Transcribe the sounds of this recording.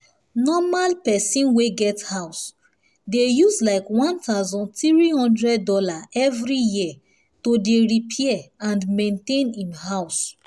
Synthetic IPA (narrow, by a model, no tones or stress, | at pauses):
nɔmalpɛsĩnweɡɛthaʊs | dejuslaɪkwɔ̃ntaʊzɔ̃ntiɹihɔ̃ndɹɛdːɔlaʔɛvɹiji | todeɹipʰiɛãndmẽntẽnĩmɦaʊs